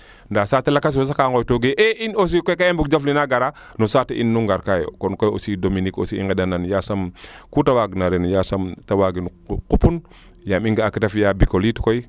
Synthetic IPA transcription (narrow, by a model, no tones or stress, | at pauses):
ndasatelakas̬wos̬akaŋɡojtoɡeʔeʔinos̬ikojkaembuk̚d͡ʒaflinaɡaɾa | nosateʔḭnːuŋɡaɾkajo̰konkojo̰sidominiko̰siḭŋɡedananjasamkutawaɡnaɾenjasamtawaɡinkupun | jamiŋɡakitafjabikolitkoi